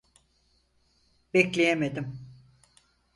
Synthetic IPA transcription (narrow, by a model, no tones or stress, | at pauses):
bɛclʲejemed̪im